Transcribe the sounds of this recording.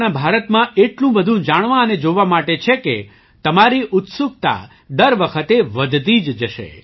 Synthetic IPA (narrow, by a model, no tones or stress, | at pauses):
nabʱaɾət̪mãʔeʈlũbəd̪ʱũd͡ʒaɽ̃ʋãəned͡ʒoʋamaʈet͡ʃʰeke | t̪əmaɾiʔʊt̪suɡt̪a̰ | d̪əɾʋəkʰət̪eʋəd̪t̪id͡ʒd͡ʒəʃḛ